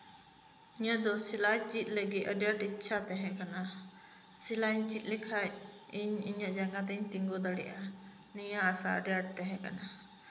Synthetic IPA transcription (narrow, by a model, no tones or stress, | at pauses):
iɲaʔd̪ɔsilat͡ʃit̪̚ˀləɡit̪əɖaʈitːʃʰat̪ɛ̃ɦɛ̃kana | silaɲt͡ʃit̪̚ˀlikʰaiɲiɲaʔd͡ʒaŋɡat̪ɛɲt̪iŋɡɔd̪aɽɛ̰ʔa | niɲaːsaə̰ɖjaʈ̚t̪ɛɦɛ̃ka̰na